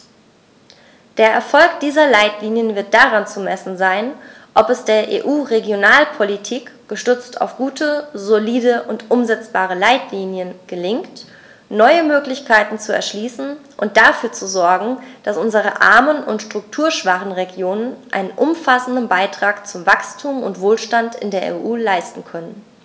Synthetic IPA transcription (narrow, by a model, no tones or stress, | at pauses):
d̥eːɐʔɛɐfɔlkd̥iːzɐlaɪtliːnjənvɪɐt̚d̥aʁant͡sumɛsn̩zaɪn | ʔɔpɛsd̥eːɐʔḛːʔuːʁeɡjonaːlpʰolitʰiːkɡ̥əʃtʏt͡stʰa̰ʊfɡ̥uːtʰəzoliːdəʔʊntʔʊmzɛt͡sb̥aːʁ̞əlaɪtliːnjənɡ̥əlɪŋkt | nɔʏəmøːklɪçkʰaɪtn̩t͡suɛ̰ɐʃliːsn̩ʔʊnt̚d̥afyːɐt͡suzɔɐɡŋ̩d̥asʔʊnzəʁ̞əʔa̰ɐmənʊntʃtʁ̥ʊktʰuːɐʃv̥aχn̩ʁeɡjoːnənʔa̰ɪnənʔʊmfasn̩dn̩baɪtʁ̥aːkt͡sʊmvakstʰuːmʊ̰ntv̥oːlʃtantɪ̰ndeːɐʔḛːʔuːlaɪstn̩kʰœnən